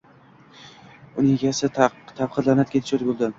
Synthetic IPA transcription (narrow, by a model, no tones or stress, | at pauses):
ʊnɪŋɡʲasɪt̪ʰap̚qʰɨɾlˠanat̪̚kʲʰet̪ɪ̥ʃɪɾbolˠd̪ɪ